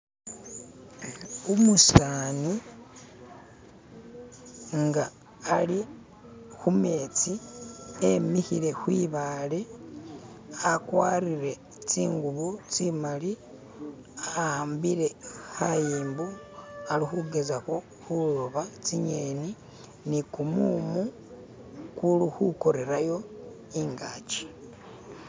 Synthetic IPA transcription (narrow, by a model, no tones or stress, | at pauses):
omusaːni | ŋɡaː | li | xume̞ːt͡siemihiɾe̞xwiːβale̞ | akwaːɾiɾe̞ | t͡siːŋɡuβut͡simali | aaːmbiɾe̞hajiːmbu | alixuɡe̞zako | xuloβat͡siɲeni | nikumumu | kuluxuko̞ɾe̞ɾajo̞ | iŋɡaːt͡ʃi̥